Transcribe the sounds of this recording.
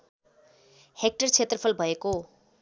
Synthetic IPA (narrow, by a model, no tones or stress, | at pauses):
hek̚ʈʌrt͡sʰet̪rʌpʰʌlbʱʌeko